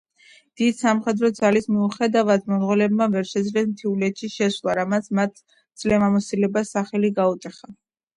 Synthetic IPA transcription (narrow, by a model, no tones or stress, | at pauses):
d̪̥id̪samχɛd̪ɾɔd̪zalismiuχɛd̪avad̪̚mɔnʁwɛlɛbmavɛɾʃɛzvɛsmt̪ʰiulɛt̪ʃiʃɛslˠaɾamat̪sʰmat̪ʰ | d̪z̥lɛmamɔsilɛbasaχɛliɡaut̪ʼɛχa